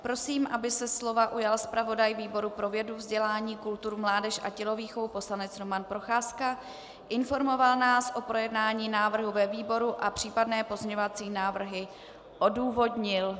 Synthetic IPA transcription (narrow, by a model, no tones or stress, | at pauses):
pɾo̞siːmʔabɪsɛslo̞vaʔujalspɾavo̞dajviːbo̞ɾupɾo̞vjɛduvzɟɛlaːɲiːkult̪uɾumlaːdɛʃʔa̰cɛlo̞viːxovupo̞slanɛt͡sɾo̞manpɾo̞xaːska | ʔɪnfo̞ɾmo̞valnaːsʔo̞pɾo̞jɛdnaːɲiːnaːvr̩ɦuvɛviːbo̞ɾuʔapr̝̥iːpadnɛːpo̞zmɲɛɲovat͡siːnaːvr̩ɦɪ | ʔo̞duːvo̞dɲɪl